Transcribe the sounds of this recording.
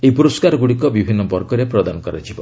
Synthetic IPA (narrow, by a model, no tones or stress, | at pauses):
ejpuɾɔskaɾɔɡuɽikɔbibʱinːɔbɔɾkɔɾepɾɔd̪anɔkɔɾa̰d͡ʒʰibɔ